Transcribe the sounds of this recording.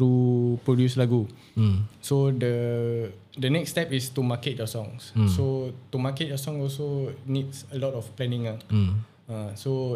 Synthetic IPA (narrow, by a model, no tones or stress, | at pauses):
ɾupɾodjuslaɡu | sodə | dənɛkst̪ɛpist̪umaket̚jɔsɔ̃ŋssot̪umaket̚jɔsɔ̃ŋɔlsonitsəlɔtɔfplɛnĩŋa | ãso